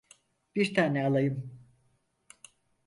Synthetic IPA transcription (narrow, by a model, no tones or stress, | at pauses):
b̥iɾt̪ʰaːnɛalˠajɯm